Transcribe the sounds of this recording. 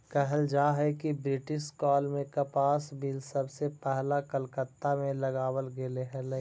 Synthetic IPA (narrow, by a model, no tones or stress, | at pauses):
kɛɦəld͡ʒaːɦɛkibɾɪʈɪʃkɔːlmẽkɐpaːsbɪlsɐbsepɛɦlakəlkət̪ːamẽlɐɡaːwəlɡeleɦɛ̃lə